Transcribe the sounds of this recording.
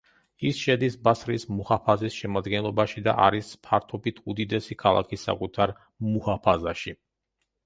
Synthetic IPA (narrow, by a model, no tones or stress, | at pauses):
isʃɛd̪isbasɾismuhapʰazisʃɛmad̪ɡɛnlˠɔbaʃid̪a̰ʔa̰ɾispʰaɾt̪ʰɔbit̪ʰud̪id̪ɛsikʰalˠa̰kʰisːa̰kʼut̪ʰaɾ | muhapʰazaʃi